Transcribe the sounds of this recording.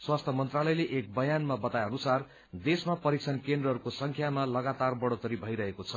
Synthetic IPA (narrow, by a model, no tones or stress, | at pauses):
swast̪ʰʌmʌnt̪ralʌjleʔek̚bʌjanmabʌt̪ajʌnusar | d̪esmapʌɾik̚t͡sʰʌnkend̪rʌɦʌɾukosʌŋkʰjamalʌɡat̪arbʌɽot̪ʌɾibʱʌjɾʌɦekot͡sʰʌ